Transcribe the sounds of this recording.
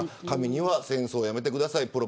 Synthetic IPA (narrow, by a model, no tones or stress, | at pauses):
kamʲiɲ̟iβasẽ̞ɰ̃so̞ːjame̞t̪̬e̞kɯd̪asaipɯ̟ɾo̞